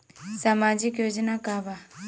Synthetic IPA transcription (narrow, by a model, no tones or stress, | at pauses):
samad͡ʒikjod͡ʒnakaba